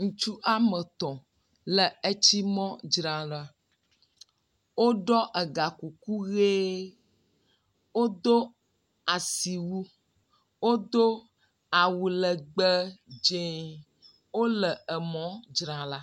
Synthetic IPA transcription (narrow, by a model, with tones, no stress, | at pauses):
ŋũ˨t͡ʃu˦ʔa˦mə˨t̪ɔ̃˨ | lə˨e˦t͡ɕi˦mɔ̃˦d͡ʒɾã˨la˦ | wo˦ɖɔ˦ʔə˨ɡa˨ku˨ku˦ɣe˦ | wo˦d̪o˦ | a˨si˨wu˦ | wo˦d̪o˦ | a˨wu˨lə˨ɡ͡bə˦d͡ʒẽ˦ | wo˦lə˨ə˨mɔ̃˦d͡ʒɾã˨la˦